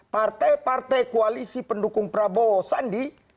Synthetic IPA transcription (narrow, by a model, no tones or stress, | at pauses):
part̪ajpart̪ajkoalisipəndukuŋpɾabɔːsandi